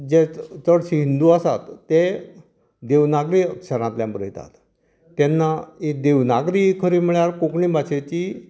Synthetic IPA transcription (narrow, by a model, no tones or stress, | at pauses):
d͡ʑet͡səɽɕiɦind̪uasat̪ːe | d̪eʋnaɡɾiːəkɕəɾãt̪ljãmpɾəɦit̪a̰t̪ | t̪ːɛnːaid̪eʋnaɡɾikʰəɾiːm̤iɭjaɾkokɳiːbaɕet͡ɕi